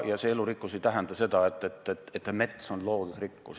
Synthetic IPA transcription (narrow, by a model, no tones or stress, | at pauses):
jɑsee̞lurikːˑuset̪æɦænd̪ɑse̞d̪̥ɑet̪ːˑet̪ːˑet̪ːet̪ˑːeme̞t̪so̞nlo̞ːɡ̥isrikːus